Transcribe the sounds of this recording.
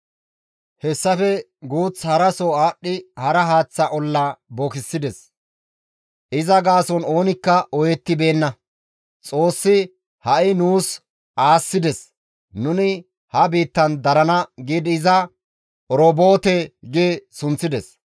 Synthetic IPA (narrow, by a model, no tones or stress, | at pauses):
hɛsːɐfɛ | ɡuːt͡shɐɾɐsɔaːɗːɪhɐɾɐɦaːt͡sːɐʔɔlːɐbokɪsːɪd̪ɛs | ʔɪzɐɡaːsɔno̞ːnɪkːɐɔjɛt̪ːɪbe̞ːnːɐ | t͡sʼo̞ːsːɪ | hɐʔɪnuːs | ʔaːsːɪd̪ɛs | nʊnɪ | hɐbiːt̪ːɐnd̪ɐɾɐnɐɡiːd̪ɪzɐ | ɔɾɔbo̞ːt̪ɛɡesʊnt͡sːɪd̪ɛs